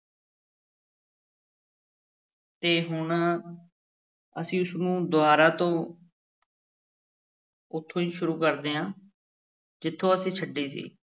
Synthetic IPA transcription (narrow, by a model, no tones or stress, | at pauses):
t̪eːɦʊɳ | əsĩːʊsnũːd̪ʊaːɾaːt̪õː | ʊt̪ʰːõːiːʃʊɾuːkəɾd̪eːãː | d͡ʒɪt̪ʰːõːəsĩːt͡ʃʰəɖːiːsḭː